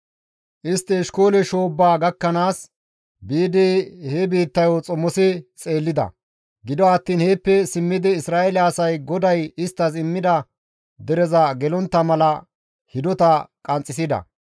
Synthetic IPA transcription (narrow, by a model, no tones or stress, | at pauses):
ʔɪst̪ːɪːʃko̞ːlɛʃo̞ːbːaːɡɐkːɐnaːs | biːd̪ɛhebiːt̪ːɐjɔt͡sʼɔmːɔsɪt͡sʼe̞ːlːɪd̪ɐ̰ | ɡɪd̪ɔɐt̪ːiːnheːpːɛsɪmːɪd̪ɪːsɾaːɛlɛːsɐjɡɔd̪ɐjɪst̪ːɐsɪmːɪd̪ɐ | d̪ɛɾɛzɐɡɛlɔnt̪ːɐmɐlɐ | hɪd̪ɔt̪ɐkʼɐnt͡sʼːɪsɪd̪ɐ̰